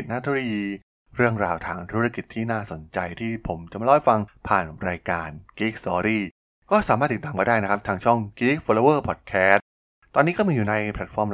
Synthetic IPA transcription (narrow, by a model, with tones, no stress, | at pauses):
naː˥˩u˥˩a˧jiː˧ | ɾɯ˥˩əŋɾaː˧wt̪ʰaː˧ŋt̪ʰu˦˥ɾa˧ki˨˩t̪ʰːiː˥˩naː˥˩so˩˦nt͡ɕa˧jt̪ʰiː˥˩pʰo˩˦mt͡ɕa˨˩ma˧lɔː˧˥˩jfa˧ŋpʰaː˨˩nɾaː˧jkaː˧nkiː˦˥k̚sɔː˧ɾiː˥˩ | kɔː˥˩saː˨˦maː˥˩t̪ːi˨˩t̪ːaː˨mka˧˩jdaː˥˩jn˦˥kʰa˦˥p̚t̪ʰaː˧ŋt͡ɕʰɔ˥˩ŋki˦˥k̚foː˧loː˧wɤː˥˩pʰɔ˨˩t̪̚kʰɛː˦˥t̪̚ | t̪ːɔː˧nːiː˦˥kɔː˥˩miː˧juː˨˩na˧jpʰɛ˨˩t̪̚fɔː˧m